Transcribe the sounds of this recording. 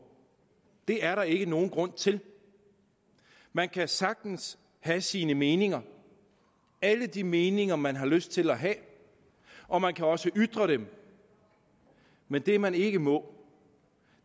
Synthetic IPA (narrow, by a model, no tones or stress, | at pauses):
d̥e̝æɐɾɑ̈e̝ɡ̥əno̝ːn̩ɡ̥ʁɔ̽n̰t͡sʰe̝l | mænkʰæsɑ̈ɡ̥̚d̥n̩s | hæsiːnəme̝ːne̝ŋɐ | æləd̥ime̝ːne̝ŋɐmænɦɑ̈løsd̥̚t͡sʰe̝læɦɛ | ɒ̽mænkʰæɒ̽səʔyd̥ʁɐɾ̥em | mend̥e̝mæne̝ɡ̥əmɔ̽